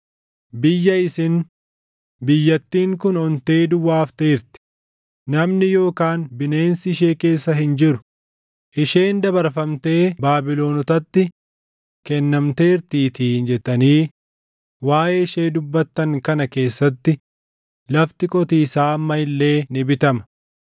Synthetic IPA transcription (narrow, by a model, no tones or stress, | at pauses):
bɪjːɐɪsɪn | bɪjːɐt̪ːiːŋkʊnɔnt̪e̞ːd̪ʊwaːft̪eːɾt̪ɪ̥ | nɐmnɪjo̞ːkaːnbɪne̞ːnsɪɪʃ̬eːke̞ːsːɐɦɪnd͡ʒɪɾʊ̥ | ʔɪʃe̞ːnd̪ɐbɐɾfɐmt̪e̞ːbaːbɪlo̞ːnɔt̪ɐt̪ːɪ | kɛnːɐmt̪e̞ːɾt̪iːt̪iːnd͡ʒɛt̪ːɐniː | waːʔeːɪʃeːd̪ʊbːɐt̪ːɐŋkɐnɐke̞ːsːɐt̪ːɪ | lɐft̪ɪkʼɔt̪iːsaːmːɐɪlːe̞ːnɪbɪt̪ɐmɐ̥